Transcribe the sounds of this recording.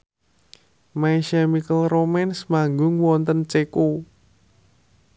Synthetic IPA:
maiʃamikəlromɛnsmaŋɡʊŋwɔnt̪ənt͡ʃeku

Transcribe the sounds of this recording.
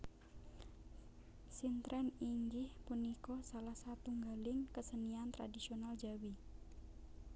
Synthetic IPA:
sint̪ɾɛniŋɡɪhpunikɔsalahsat̪uŋɡalɪŋkəsəniant̪ɾa̰disionald͡ʒawi

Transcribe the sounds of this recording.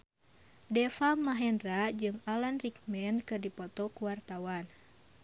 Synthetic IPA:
dɛfamaɦɛnrad͡ʒɨŋalanrik̚mɛnkɨrdipɔt̪ɔkuwart̪awan

